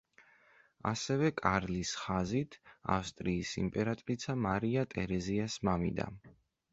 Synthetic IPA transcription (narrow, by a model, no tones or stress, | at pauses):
a̰sɛvɛkʼaɾlisχazit̪ʰa̰fst̪ʼɾiːsḭmpʼɛɾat̪ʼɾit̪sʰamaɾiat̪ʼɛɾɛziasmamḭd̪a̰